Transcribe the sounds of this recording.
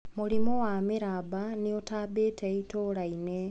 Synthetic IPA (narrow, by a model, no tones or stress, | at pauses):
muɾimowamiɾabaniotaːbeːteitoɾaine